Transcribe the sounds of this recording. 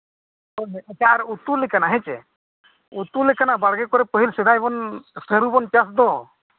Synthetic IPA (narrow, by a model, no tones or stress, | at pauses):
ɔt͡ʃaaɾut̪ulekanaɦɛt͡ʃɛ | ut̪ulekanabaɽɡekɔɾɛpəɦilsid̪ʱajbɔnsəɾubɔnpjas̬d̪ɔ